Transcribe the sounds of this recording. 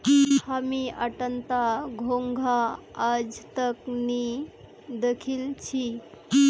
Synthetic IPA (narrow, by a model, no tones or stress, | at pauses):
hamiə̰ʈənt̪aɡʱoŋɡʱaəd͡ʒt̪əkni | d̪ekʰilt͡ɕʰi